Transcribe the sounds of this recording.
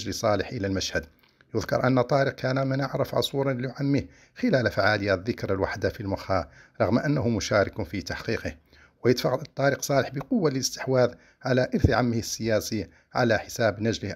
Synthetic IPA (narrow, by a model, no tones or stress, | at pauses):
ʒlisˤɑləħʔəlælmæʃhæd̪ | jʊðkɑ̰ɾˤʔənːət̪ˤːɑɾiq̚kʰænæmənaʕɾˤɑfʕʊ̰sˤuɾˤɑnliʕamːih | xəlælfaʕaləjaðːəkɾalwaħd̪afilmɑxɑɾˤɑɣmʔænːæhʊmʊʃæɾˤɑkʊfit̪aħqiqəh | wəjət̪fɑɣɑd̪t̪ˤːɑɾiqsˤɑːləħbəqʊwːalləst̪ə̥ħwæd̪ | ʕalæʔəɾθʕamːəhəsːəjæsi | ʕa̰læħəsæbnæd͡ʒləh